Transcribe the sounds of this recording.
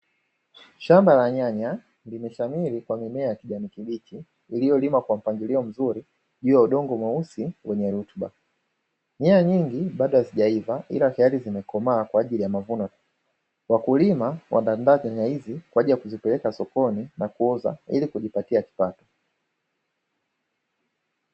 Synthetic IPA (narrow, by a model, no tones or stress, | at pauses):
ʃambalaɲaɲa | limɛʃamiɾikwamimɛajakiʄamikiɓit͡ʃiː | lijɔlimakwam̩paŋɡiliɔm̩zuɾi | ʄuːjauɗɔŋɡɔmwausiwɛɲɛɾutɓa̰ | ɲɛaɲiŋɡiɓaɗɔhaziʄaivaʔḭlahɛalizimɛkɔmaːkwaːʄilijamavunɔ | wakulimawa̰ndandaːzaɲaizikwaʄijakuzipɛlɛkasɔkɔninakuuza̰ḭlikuʄipatiaki̥patɔ̥